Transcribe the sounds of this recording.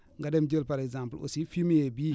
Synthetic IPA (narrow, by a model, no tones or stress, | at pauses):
ŋɡadɛmd͡ʒəlpaɾɛɡzãmpəlo̰sifimjebiː